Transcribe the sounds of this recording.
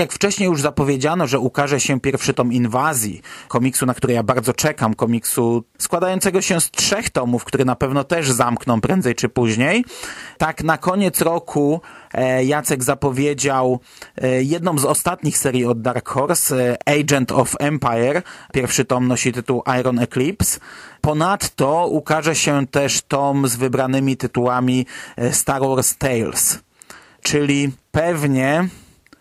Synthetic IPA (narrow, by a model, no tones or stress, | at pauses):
jakft͡ʂɛɕɲejuʐzapɔvʲjed͡ʑanɔʐɛukaʐɛɕɛpʲjɛɾfʂɘt̪ɔminvazʲjḭkɔmʲiksunak̚t̪uɾɛjabaɾd̪zɔt͡ʂɛkamkɔmʲiksuskwad̪ajɔnt̪sɛɡɔɕɛstʂɛxt̪ɔmufkt̪uɾɛnapɛvnɔt̪ɛʐzamknɔwpɾɛnd̪zɛjt͡ʂɘpuʑɲejt̪aknakɔɲɛt̪sɾɔkʰu | jat̪sɛɡzapɔvʲjed͡ʑaw | jɛd̪nɔ̃mzɔst̪at̪ɲixsɛɾʲjiɔd̪d̪aɾkxɔɾsɛjd͡ʒɛnt̪ɔfɛmpajɛɾpʲjɛɾfʂɘt̪ɔmnɔɕit̪ɘt̪uwʔajɾɔnɛklʲipspɔnat̪ːɔukaʐɛɕɛt̪ɛʂt̪ɔmzvɘbɾanɘmʲit̪ɘt̪uwamʲist̪aɾwɔɾst̪ɛjls | t͡ʂɘlʲipɛvɲɛ